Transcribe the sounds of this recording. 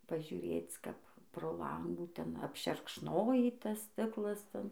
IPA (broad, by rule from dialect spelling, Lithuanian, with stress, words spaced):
pɐʒʲʊˈrʲeːt͡s ˈkɐp proː ˈlˠɐŋɡuː ˈtʲɛn ɐpʲʃʲɛrkʃˈnoːjiː ˈtɐs ˈsʲtʲɪklˠɐs ˈtʲɛn